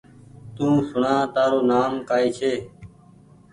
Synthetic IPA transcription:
t̪ũːsʊɳãːt̪aːɾoːnaːmkaːiːt͡ʃʰeː

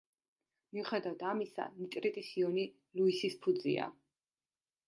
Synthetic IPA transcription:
miuχɛd̪avad̪amisa̰nit̪ʼɾit̪ʼisiɔni | luisispʰud̪zḭa̰

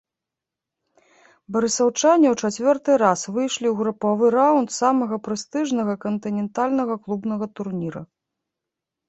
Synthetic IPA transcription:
bɐɾɨsɐwt͡ʂanʲiwt͡ʂat͡sʲvʲɔrt̪ɨɾasvɨjʂlʲiwɣɾupavɨɾawnt̪samɐɣɐpɾɨst̪ɨʐnɐɣɐkɐnt̪ɨnʲɛnt̪alʲnɐɣɐklˠubnɐɣɐt̪urnʲiɾɐ̰

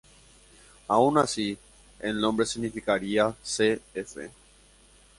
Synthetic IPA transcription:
aunasi | ennõmbɾe̞siɣnifikaɾiaseefḛ

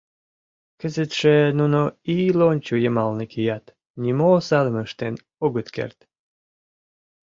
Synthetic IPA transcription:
kəzət̪ʃenunoilonʲt͡ɕujəmɑlnəkʰijɑt̪ | nʲimosɑlə̆məʃt̪en | oɣət̪kḛrt̪

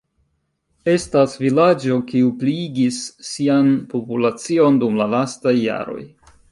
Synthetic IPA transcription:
e̞stasvilad͡ʒo̞kiupliɡisːianpo̞pulat͡sio̞ndumlalastajːa̰ɾo̞̰j

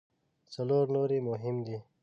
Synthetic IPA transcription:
sɐloːɾnoːɾimʊɦɪmd̪i

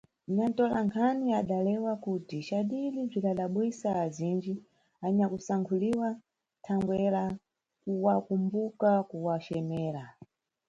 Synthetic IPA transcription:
ɲantɔlaŋkʰaniaɗalɛwakutiʃaɗilib͡ʐikaɗaɓwisaːzind͡ʒi | aɲakusaŋkʰuliwa | tʰaŋɡwɛɾa | kuwakumbukakuwat͡ʃɛmɛːɾa

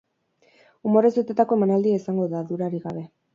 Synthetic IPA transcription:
umo̞ɾe̞zet̪et̪ako̞e̞manald̪iaisaŋɡo̞ðaðuɾaɾiɣaβe̞

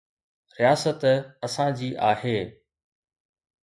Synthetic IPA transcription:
ɾijaːsət̪ɐsãd͡ʑiːʔaːɦeː

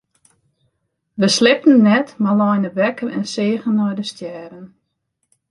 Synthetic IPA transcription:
ʋəslɪp̚tən̩ːɛtmalɔjnəʋɛkərɛnseːɣənɔjdəstjɛːɾən

